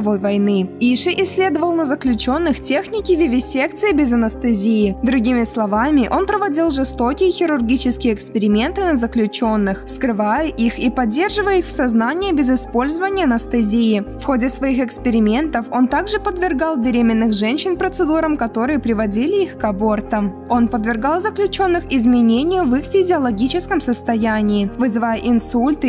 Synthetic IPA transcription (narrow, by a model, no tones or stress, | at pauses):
vo̞jvɐjnɨiʂɨʔɪsʲlʲe̞d̪əvəlˠnəzəklʲʉt͡ɕo̞nːɨxtʲexnʲɪkʲɪvʲɪvʲɪsʲekt̪sɨɪbʲɪzɐnəst̪ɨzʲiɪd̪ɾʊɡʲimʲɪslˠɐvamʲɪʔo̞npɾəvɐdʲilˠʐɨst̪o̞kʲɪjəxʲɪɾʊrɡʲit͡ɕɪskʲɪjəːkspʲɪɾʲɪmʲe̞nt̪ɨnəzəklʲʉt͡ɕo̞nːɨxfskɾɨvajəʔixipɐdʲːe̞rʐɨvəjəixfsɐznanʲɪjəbʲɪzɪspo̞lʲzəvənʲɪjəɐnəst̪ɨzʲiɪfxo̞dʲɪsvɐixɪkspʲɪɾʲɪmʲe̞nt̪əfo̞nt̪aɡʐɨpəd̪vʲɪrɡɑlˠbʲɪɾʲemʲɪnːɨxʐɛnʲɕɪnpɾət̪sɨd̪uɾəmkɐt̪o̞ɾɨjəpɾʲɪvɐdʲilʲɪixkɐbo̞rt̪əm | o̞npəd̪vʲɪrɡɑlˠzəklʲʉt͡ɕo̞nːɨxɪzmʲɪnʲenʲɪjʊvixfʲɪzʲɪɐlˠɐɡʲit͡ɕɪskəmsəst̪ɐjænʲɪːvɨzɨvajəʔɪnsulʲt̪ɨ